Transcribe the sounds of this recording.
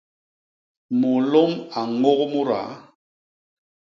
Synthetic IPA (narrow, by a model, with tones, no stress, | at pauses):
mo˨lɔ˦ma˨ŋo˦ɣmo˦ɾa̰˨˦